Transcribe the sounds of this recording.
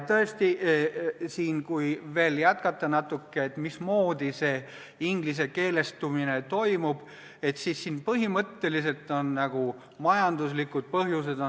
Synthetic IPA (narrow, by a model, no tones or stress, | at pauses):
t̪ɤest̪iʔsiːnkujve̞ːljæt̪kɑt̪ːˑɑnɑt̪ːˑukːeet̪ːˑmismo̞ːd̪̥ise̞ː | iŋɡ̥lis̬e̞ke̞ːle̞st̪umine̞t̪o̞jmub̥ | e̞t̪sisːiːnpɤɦimɤt̪ːe̞lis̬e̞lt̪ːˑo̞nːɑɡ̥u | mɑjɑnd̪̥uslikːˑud̪̥̚pɤɦjuse̞d̪̥o